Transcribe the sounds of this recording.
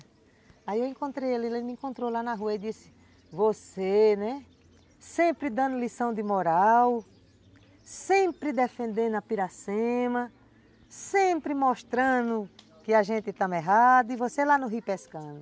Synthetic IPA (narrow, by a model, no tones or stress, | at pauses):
aiewẽkõnt̪ɾejalilemiẽŋkõnt̪ɾolanɐɦuɐid̪isɪ̥ | vosenɛ | sẽmpɾɪd̪ɐ̃nd̪ʊlisɐ̃w̃d̪ɪmɔɾaw | sẽpɾɪd̪efẽnd̪ẽnd̪ʊɐpiɾasẽmɐ | sẽpɾɪmɔʃt̪ɾɐ̃nʊ | kɪaʒẽt̪ɪt̪ãmɛɦad̪ʊivoselanʊɦipɛskɐ̃nʊ